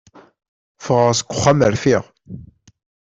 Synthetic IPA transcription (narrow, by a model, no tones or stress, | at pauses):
fəʁəʁsə̥kʷːʊ̥χːæməɾfiʁ